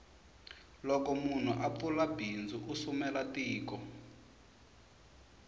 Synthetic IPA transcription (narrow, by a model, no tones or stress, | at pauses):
lɔkɔmun̤uʔaulabʱind͡zuʔusumɛlatiːkɔ